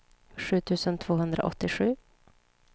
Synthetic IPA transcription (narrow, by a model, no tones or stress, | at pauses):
ɧʉ̟ːt̪ʰʉ̟ːsənt̪ʰv̥oːɦɵnd̪ɾa̰ʔɔ̰t̪ːɪɧʉ̟ː